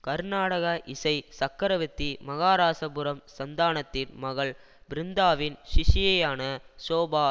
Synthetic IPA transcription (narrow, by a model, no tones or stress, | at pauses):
kɐɾnaːɽɐɣɐʔɪsɐɪsɐkːɐɾɐʋɪt̪ːimɐɣaːɾaːsɐbʊɾɐmsɐnd̪aːnɐt̪ːɪnmɐɣɐɭ | bɪɾɪnd̪aːʋɪnʃɪʂɪjɐjaːnɐsoːbaː